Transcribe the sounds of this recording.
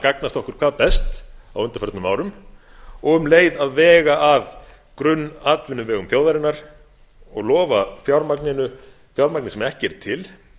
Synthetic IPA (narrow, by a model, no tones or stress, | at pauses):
kaknast̪ɔhkʏɾ̥kʰvaːðpɛst̪awʏnt̪ḁfɛɾt̪nʏmaːwɾʏm | ɔɣʏmleːjðaðvɛːɣaʔað | kɾʏnːaːt̪vɪnːʏmvɛːɣʏmθjoːwðaɾɪnaɾ̥ | ɔ̰ɣlɔːvaθjawɾmaknɪnʏ | θjawɾmaknɪsɛmɛhcɪɛɾ̥t̪ʰɪl